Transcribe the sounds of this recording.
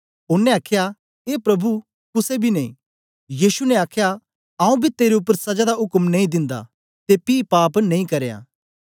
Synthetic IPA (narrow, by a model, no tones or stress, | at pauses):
ʊnːɛ̃aːkʰja | eːpɾɐbu | kʊsebʱineḭ̃ː | jiːsunɛaːkʰeja | ãːũbʱit̪eːɾeʊpːəɾsɐd͡ʒad̪aʊkmnɐĩd̪ɪ̃nd̪a̰ | t̪epiːpaːpnɐ̃ĩkɐɾeja̰